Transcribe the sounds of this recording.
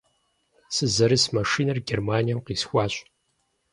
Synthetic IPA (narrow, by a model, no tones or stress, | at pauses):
sɨzɐɾɨsmɐʂiːnɐrɡʲermaːnijɐmqiːsxʷɑːɕ